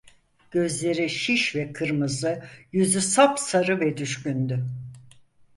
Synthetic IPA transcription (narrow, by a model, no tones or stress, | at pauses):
ɟ̥ø̞zlʲe̞ɾiʃiʃvɛkʰɯɾmɯzɯjyzysapsaɾɯvɛd̪yʃcynd̪y